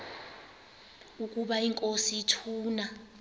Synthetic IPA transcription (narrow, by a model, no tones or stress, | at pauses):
ukʼuɓaiŋkʼosiːtʰuːna